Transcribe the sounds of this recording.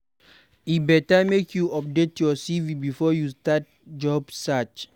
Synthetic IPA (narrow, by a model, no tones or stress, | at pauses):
ibɛtamekʰjuɔp̚detjɔsivibifɔjustat̚ | d͡ʒɔbsat͡ʃ